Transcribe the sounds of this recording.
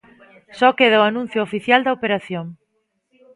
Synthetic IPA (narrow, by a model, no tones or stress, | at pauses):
sɔkeð̞aoanũn̟θjʊːfiθjald̪ɐopeɾaθjoŋ